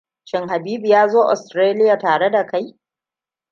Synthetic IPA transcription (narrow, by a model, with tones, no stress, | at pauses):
ʃɪ˨ŋɦa˨biː˦bi˨jaː˦zoː˦ʔɔ̰˨stɾeː˦lɪ˦jaː˨taː˨ɽe˦da˨ka˦j